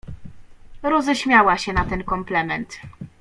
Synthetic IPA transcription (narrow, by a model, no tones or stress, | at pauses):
ɾɔzɛɕmʲjawaɕɛnat̪ɛnkɔmplɛmɛnt̪